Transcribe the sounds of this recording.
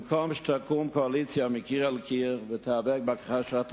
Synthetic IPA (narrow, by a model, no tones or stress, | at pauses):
mkʰɔmʃt̪ʰakumkoalit͡sjamɪkiʁalkʰiʁvɪt̪ʰavɛɡ̚bakḁχaʃat